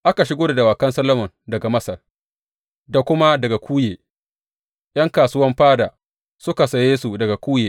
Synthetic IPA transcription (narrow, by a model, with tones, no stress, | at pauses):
ʔa˦ka˨ʃɪ˦ɡoː˦da˨da˨waː˨kɐ˦nsɐ˦lɐ˦mɔ˨ndɐ˨ɡa˨mɐ˦sɐ˨r | da˨kʷʊ˦ma˦dɐ˨ɡa˨kʷʰuː˦jeː˨ | jʔɐ˦ŋkaː˨sʊ˦wɐ˦mɸaː˦daː˨ | sʊ˦ka˨sɐ˨jeː˦su˨dɐ˨ɡa˨kʷuː˦jeː˨